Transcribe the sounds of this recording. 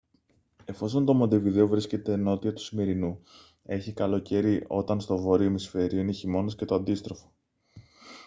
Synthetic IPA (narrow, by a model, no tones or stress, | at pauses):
e̞fo̞so̞nt̪o̞mod̪eviðe̞ovɾisce̞t̪e̞no̞t̪iɐt̪u̥sime̞ɾinu | e̞çikɐlo̞ce̞ɾiʔo̞t̪ɐnst̪o̞vo̞ɾiomisfe̞ɾioineçimo̞nosce̞t̪oɐnd̪ist̪ɾo̞fo̥